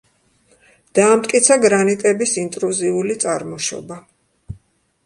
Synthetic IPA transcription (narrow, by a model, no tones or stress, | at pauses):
d̪̥aːmt̪̚ʼkʼit̪sʰaɡɾanit̪ʼɛbisint̪ʼɾuziulit̪sʼaɾmɔʃɔ̰ba